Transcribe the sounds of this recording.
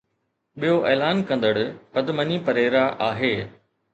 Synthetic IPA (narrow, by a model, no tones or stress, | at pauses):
ɓijoʔeːlaːnkɐ̃nd̪əɽpɐd̪mənipɐɾeːɾaʔaːɦeː